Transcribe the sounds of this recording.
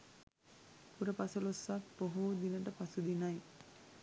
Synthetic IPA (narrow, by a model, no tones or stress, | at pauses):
puɾəpasulosːakpoɦud̪inəʈəpasud̪inaj